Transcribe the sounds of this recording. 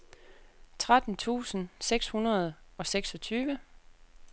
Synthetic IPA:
t͡sʰʁad̥n̩t͡sʰṵːsn̩seɡ̥shunɐð̞ˠɒ̽seɡ̥sɒ̽t͡sʰyːʋə

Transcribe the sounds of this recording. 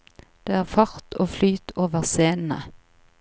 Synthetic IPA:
d̪̥eːæːʁfɑʁt̪ʰoːflyːt̪ʰoːʋəʁseːnn̩ə̰

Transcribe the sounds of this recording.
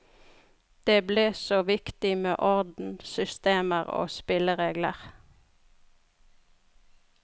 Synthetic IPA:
d̪̥eːbleːsoːʋɪkt̪ɪmeːʔɔʁd̪n̩sʏst̪eːməʁo̰ːspɪləʁeːɡlə̰ʁ

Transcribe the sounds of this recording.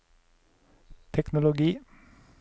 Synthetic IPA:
t̪ʰɛknʊlʊɡiː

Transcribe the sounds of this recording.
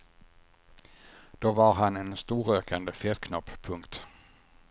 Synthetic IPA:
d̪̥oːvaɾɦanɛnst̪uːɾøːkʰand̪əfɛt̪kʰnɔpːpʰɵŋkt̪

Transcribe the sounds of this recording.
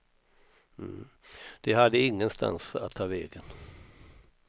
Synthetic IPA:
m̩ː | d̪̥ɛɦad̪ːəɪŋːənst̪a̰nsa̰t̪ʰːɑːvɛːɡən

